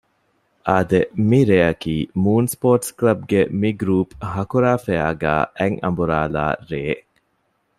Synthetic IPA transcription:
ʔɐd̪emiɾeːɐkiːmuːnspoːʈsklɐb̚ɡemiɡɾuːphɐkuɾaːfeaːɡæ̰ːʔeŋɐ̰mbuɾaːla̰ːɾeː

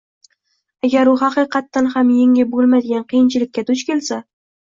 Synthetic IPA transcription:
aɡʲaɾʊɦɑqɨjqɑt̪ːanhamjeŋʲɪbolˠmad̪ɪɡʲanqʰɨjɪnt͡ʃʰɪlɪkʲʰːat̪ʰʊt͡ʃkʲe̞lsa

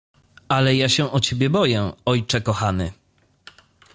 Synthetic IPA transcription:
alɛjaɕɛʔɔt͡ɕebʲjɛbɔjɛɔjt͡ʂɛkɔxanɘ

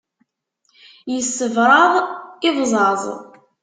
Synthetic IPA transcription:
jəsːəvɾˤɑðˤɪvzˤɑzˤ

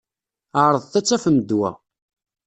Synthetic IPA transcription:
aɾˤəðˤθæt͡sːæfəmd̪wæ̰

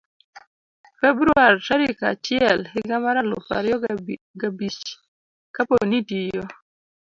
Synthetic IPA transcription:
fɛbɾuaɾʃaɾika̰t͡ʃɪɛlhɪɡamaɾalɔ̰fa̰ɾjɔ | ɡabit͡ʃ | kaponitijɔ

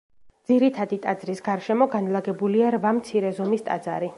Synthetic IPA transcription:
d̪z̥iɾit̪ʰad̪it̪ʼad̪zɾisɡaɾʃɛmɔɡanlˠaɡɛbuliaɾvamt̪sʰiɾɛzɔmist̪ʼa̰d̪za̰ɾi

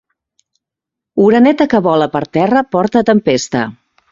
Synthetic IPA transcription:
uɾənɛt̪əkəβɔləpəɾt̪ɛrəpɔɾt̪ət̪əmpest̪ə̰

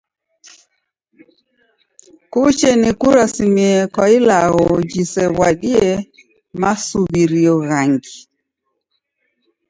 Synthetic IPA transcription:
kut͡ʃɛnikuɾasimiɛkwailaɣɔd͡ʒisɛwaɗiɛ | masuβiɾiɔɣaŋɡi

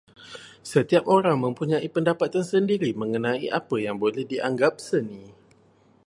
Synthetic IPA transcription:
sət̪iapoɾaŋmə̃mpuɲãipəndapat̪ansəndiɾimə̃ŋənãḭʔapəjaŋbolɛhdiʔaŋɡap̚sənĩ

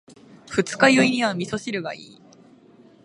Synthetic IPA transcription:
ɸɯ̟t͡sɨ̥kajɯiɲ̟iβamʲiso̞ɕiɾɯ̟ɡa̰iː

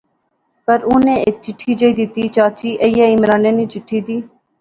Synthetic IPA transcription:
pəɾuːnẽːeːk̚t͡ʃɪʈʰːiːd͡ʒəid̪ɪt̪iːt͡ʃaːt͡ʃiːʔəjaːɪmɾaːnjãniːt͡ʃɪʈʰiːd̪iː

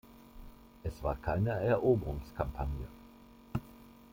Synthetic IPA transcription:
ʔɛsv̥aːɐkʰaɪnəɛɐʔoːbəʁʊŋskʰampʰanjə

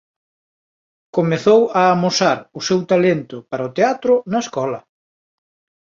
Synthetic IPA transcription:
komeθowaːmosaɾʊsewt̪alent̪ʊpaɾɐot̪eat̪ɾʊnɐeskɔlɐ

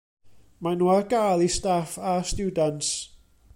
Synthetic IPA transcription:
manuarɡalˠistafastjuːdants

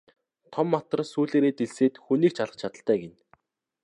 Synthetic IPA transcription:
t̪ʰɔmːat̪ə̆rsuːɮeːɾeːt̪eɮseːt̪xuniːk̚t͡ɕʰaɮə̆χt͡ɕʰat̪ə̆ɬt̪æːɡen

